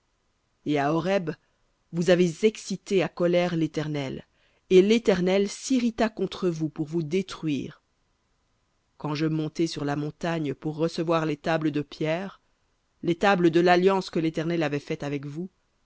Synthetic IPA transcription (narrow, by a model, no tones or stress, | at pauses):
eaɔʁɛb | vuzavezɛksit̪eakɔlɛʁlet̪ɛʁnɛl | elet̪ɛʁnɛlsiʁit̪akɔ̃t̪χəvupuʁvud̪et̪χɥḭːʁ | kɑ̃ʒəmɔ̃t̪ɛsyʁlamɔ̃t̪aɲpuʁːəsəvwaʁlet̪abləd̪əpjɛːʁ | let̪abləd̪əlaljɑ̃skəlet̪ɛʁnɛlavɛfɛt̪avɛkvu